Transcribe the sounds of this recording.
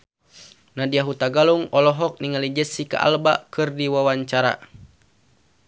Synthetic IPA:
nadiaɦut̪aɡaluŋɔlɔɦɔk̚niŋalid͡ʒəsika̰ʔa̰lba̰kɨrdiwawaɲt͡ʃaɾa̰

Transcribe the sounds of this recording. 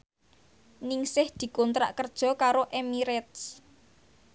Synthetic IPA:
nɪŋsɪhd̪̥i̤kont̪ɾa̰ʔkərd̥ʒ̥ɔ̤kaɾoʔemiɾɛt̪̚s

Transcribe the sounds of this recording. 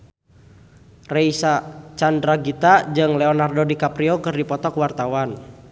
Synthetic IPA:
rɛisat͡ʃandɾaɡit̪ad͡ʒɨŋlɛɔnardodikapɾiɔkɨrdipɔt̪ɔkwart̪awan

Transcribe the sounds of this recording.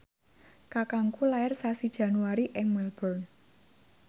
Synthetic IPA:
kakaŋkulaɛrsasid̥ʒ̥ä̤nuaɾiʔɪŋmɛlbɔrn

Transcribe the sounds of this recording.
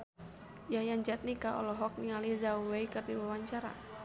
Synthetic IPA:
jajaɲd͡ʒat̪̚nikaɔ̰lɔɦɔk̚niŋalizauweikɨrdiwawaɲt͡ʃaɾa̰

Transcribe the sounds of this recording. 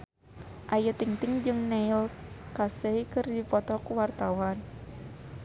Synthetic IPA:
ʔajut̪iŋt̪iŋd͡ʒɨŋnɛilkasəikɨrdipɔt̪ɔkuwart̪awan

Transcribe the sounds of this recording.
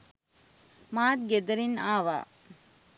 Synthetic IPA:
maːt̪̚ɡed̪ɐɾinaːʋa̰ː

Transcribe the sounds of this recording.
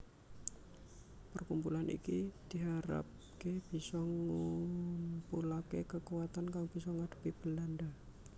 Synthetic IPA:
pərkumpulanʔḭkid̥iɦaɾa̰p | keb̥isɔŋumpulakekəkuwat̪ankaŋb̥isɔŋad̥ə̤̥pib̥əlanda

